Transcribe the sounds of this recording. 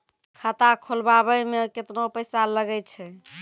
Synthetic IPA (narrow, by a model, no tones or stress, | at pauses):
kʰət̪akʰolbabəjmeket̪nopəjsaləɡɛj̪t͡ʃʰɛ